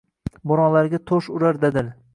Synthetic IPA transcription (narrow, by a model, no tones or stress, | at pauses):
boɾɒŋlaɾɡʲat̪ʰoʃʊɾaɾd̪ed̪ɪl